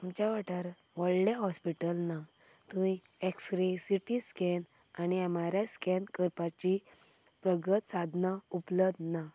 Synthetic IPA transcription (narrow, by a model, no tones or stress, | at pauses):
mt͡ɕaʋaʈaɾ | ʋɔɭleɦɔspiʈəlna | t̪ũi | eksɾisiʈiskɛn | aniamaɾjaskɛnkəɾpat͡ɕi | pɾəɡət̪sad̪ʱnaupləbd̪na